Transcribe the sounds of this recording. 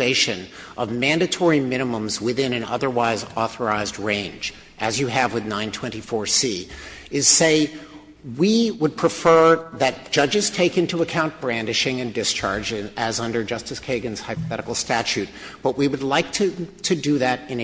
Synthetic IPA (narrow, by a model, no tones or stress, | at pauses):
eɪʃɨ̃n | ʔʌvmæ̃ndɨtʰɔɹimɪ̃ñɨmə̃mzwɪðɪ̃nɨ̃nʌ̰ðə˞waɪzɔθə˞aɪzd̚ɹẽɪ̃nd͡ʒ | ʔɨzjɨɨvwɨðnãɪ̃ntʰw̥ɛ̃ñtifɔɹsi | ɪz̥seɪ | wiwəd̚pʰɹ̥ɨfɜ˞ðɨt̚d̥ʒ̥ʌd͡ʒɨz̥tʰeɪkɪ̃ntuəkʰãʊ̃nb̥ɹæ̃ndɨʃɪ̃ŋɨ̃ndɨst͡ʃʰɑ̰ɹd͡ʒɨzʌ̃ndə˞d͡ʒʌstɨskʰeɪɡɨ̃nz̥haɪpəθɛɾəkl̩ˠstæt͡ʃʉt̚ | b̥ʌʔ̚wiwɨdˡlaɪk̚tʰɨɾɨdɨðɨɾɨ̃n